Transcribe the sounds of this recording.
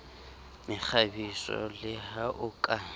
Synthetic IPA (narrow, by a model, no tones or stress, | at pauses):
mɪk͡xʰabisɔ̰lɪhaʔʊkʼa